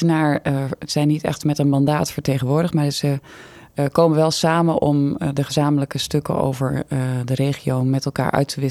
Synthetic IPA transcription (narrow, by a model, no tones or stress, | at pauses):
ənaːɹz̥ɛjnːitɛ̰χtmɛtənmɑndaːtfəɹteχənʋʊːɹdətmaːɹzə | koːmənʋɛlˠsaːmənʔɔmdəχəzaːmələkəstɵkə̰o̰wvə̰ɹdərejχiowmɛtɛlˠka̰ːɹʔœ̰ɥtəʋɪ